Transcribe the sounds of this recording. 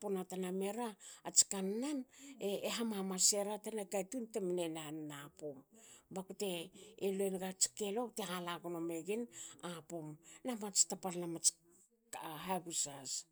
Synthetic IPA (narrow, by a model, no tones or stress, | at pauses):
ponataname̞ɾaːt͡ʃi̥kanːaneːɦamamase̞ɾatanaɡajtunteminenannapombakute̞ːloenɡat͡ʃi̥ke̞lo̞tehalaɡonome̞ɡinapomnamat͡ʃi̥tapalnamat͡ʃ | ɦaɡusas